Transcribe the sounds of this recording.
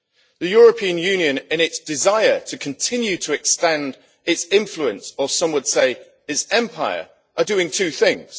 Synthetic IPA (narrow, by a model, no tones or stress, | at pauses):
ðəjɔːɹəpʰĩə̃njʉ̃ːnjə̃nɪ̃nɪtsd̥ɪzaɪətʰəkʰə̃ntʰɪ̃njʉtʰəɛkstæ̃nd | ɪtsɪ̃ɱfluə̃nsəsʌ̃mwəd̥seɪ | ɪtsɛ̃mpʰaɪə̰ | ʔədəɪ̃ŋtʰʉːθɪ̃ŋz̥